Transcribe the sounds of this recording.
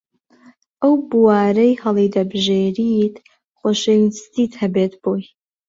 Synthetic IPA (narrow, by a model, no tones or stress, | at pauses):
ɐwbuwaːɾɐjhɐlejdɐbʒeːɾitʰ | χʷɔʃejnstʰitʰhɐbetʰb̥oj